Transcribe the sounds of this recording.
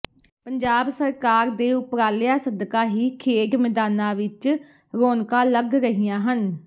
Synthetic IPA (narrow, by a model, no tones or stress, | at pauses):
pəɲd͡ʒaːbsəɾkaːɾd̪eːʊpɾaːlɪjaːsəd̪kaːɦiːkʰeːɡmɪd̪aːnãːʋɪt͡ʃ | ɾoːnkãːləɡɾəɦijãːɦən